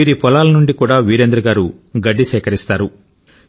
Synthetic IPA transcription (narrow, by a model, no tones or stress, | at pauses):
iːɾipɔlaːlɐnuɳɖikuːɽaːʋiːɾend̪ɾɐɡaːɾuɡɐɖːiʃɛːkɐɾist̪aːɾu